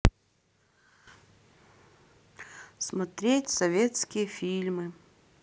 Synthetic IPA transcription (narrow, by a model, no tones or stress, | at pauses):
smɐt̪ɾʲetʲsɐvʲet̪skʲɪjəfʲilʲmɨ